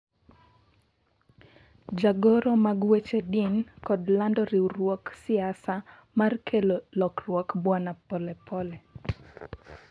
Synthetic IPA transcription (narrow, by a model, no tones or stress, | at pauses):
d͡ʒaɡɔɾɔmaɡwet͡ʃedinkɔdlandɔɾiuɾwɔksiasa | markʰelolɔkrwɔkbwanapɔlɛpɔlɛ